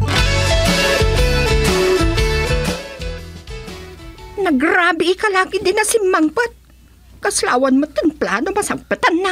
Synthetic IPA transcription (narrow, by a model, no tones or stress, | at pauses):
nɐɡɾaːbɪʔːkalaːkɪd̪ɪnasɪmːaŋpat̪̚ | kaslaːwanmot̪ɪnpla̰ːnomɐsaŋpət̪anːa